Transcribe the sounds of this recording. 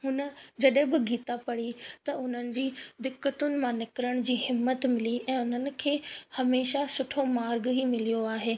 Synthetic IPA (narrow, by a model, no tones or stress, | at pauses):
ɦʊnə̆d͡ʑɐɗɦɪ̃bɪɡʱiːt̪apɐɽit̪ɐʊn̤ənɪ̆d͡ʑiːd̪ɪkːət̪ʊnɪ̆mãnɪkɾəɽ̃d͡ʑiːɦɪmːət̪mɪliʔɛ̃ːʊn̤ənɪ̆kʰeːhɐmeːʃasʊʈʰomaːɾɡɦimɪlijoaːɦeː